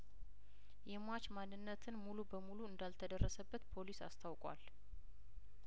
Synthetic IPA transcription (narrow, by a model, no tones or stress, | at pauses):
jɛmʷat͡ʃmanːɨnːət̪ʰɨnmulubəmuluɨnd̪alt̪ʰəd̪ərːəsəbːət̪pʰo̞lisa̰st̪ʰawkʼwa̰l